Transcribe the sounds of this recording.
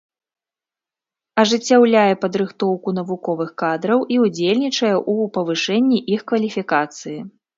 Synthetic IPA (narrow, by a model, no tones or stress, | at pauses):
ɐʐɨt͡sʲːawlʲajɛpɐd̪ɾɨxt̪ɔwkunɐvukɔvɨxkad̪ɾɐwʔiud͡zʲelʲnʲit͡ʂɐjɛʔupɐvɨʂɛnʲːiʔixkvɐlʲifʲikat̪sɨji